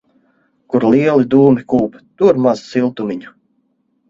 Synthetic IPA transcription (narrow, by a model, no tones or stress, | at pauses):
kuɾlˠiɛlˠid̪uːmikuːpt̪uɾmazsilˠt̪umʲiɲu̥